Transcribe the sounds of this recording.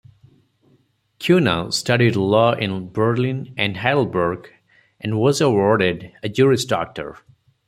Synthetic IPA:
kʰjunə̰stʰʌɾidlɔʔɪ̃nbə˞lɪ̃nʔɨ̃nɦæɾl̩ˠbəɹɡ | ʔɨ̃nwɔzəwɔɹɾɪdɨd͡ʒuɹɪsdɔ̰k̚tə̰ɹ

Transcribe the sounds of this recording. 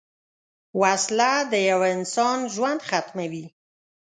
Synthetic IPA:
waslad̪əjawaɪnsɑnʒwand̪xat̪mawi

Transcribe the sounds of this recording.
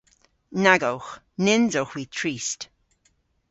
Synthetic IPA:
naɡowx | nɪnzowxwiːtʰɹiːst

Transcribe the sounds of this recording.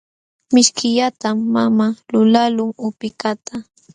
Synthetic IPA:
mɪʃkɪʎat̪amːamalʊlalʊŋʊpɪkat̪a

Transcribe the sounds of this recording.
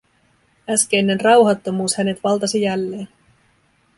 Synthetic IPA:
æskenːenrɑwɦɑt̪ːo̞muːshæne̞t̪ʋɑlt̪ɑsijælːe̞ːn

